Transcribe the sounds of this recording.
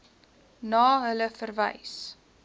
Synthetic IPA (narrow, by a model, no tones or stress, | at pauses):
nɑːɦələfərvə̰js